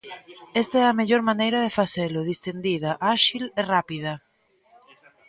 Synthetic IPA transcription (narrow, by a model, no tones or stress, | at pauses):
est̪aɛɐmeʎoɾmanejɾɐðefaselʊðist̪end̪iðɐʔaʃilerapið̞ɐ